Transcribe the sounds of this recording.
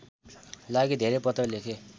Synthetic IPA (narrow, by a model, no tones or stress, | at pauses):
laɡid̪ʱeɾepʌt̪ʌwlekʰe